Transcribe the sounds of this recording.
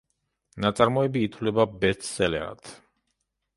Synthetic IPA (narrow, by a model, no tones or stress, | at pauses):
nat̪sʼaɾmɔɛbiːt̪ʰvlɛbabɛt̪ssɛlɛɾa̰t̪ʰ